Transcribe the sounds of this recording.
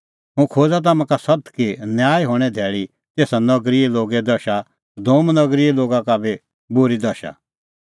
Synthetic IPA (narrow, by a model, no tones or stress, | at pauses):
ɦʊ̃kʰoːd͡zat̪̬amãkasɐt̪kinjaːjɦoːɽ̃ɛd̪ʱɛːɭi | t̪eːsanɐɡɾieloːɡɛd̪ɐʃa | d̪oːmnɐɡɾieloːɡãkabe | bʊɾid̪ɐʃa̰